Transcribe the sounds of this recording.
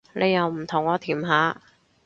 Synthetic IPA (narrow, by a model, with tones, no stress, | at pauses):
lʔe˨˧jːɐ˨˧wm̩˨˩t̪ʰʊ˨˩ŋɔː˨˧t̪ʰiː˨˩mɦaː˨˥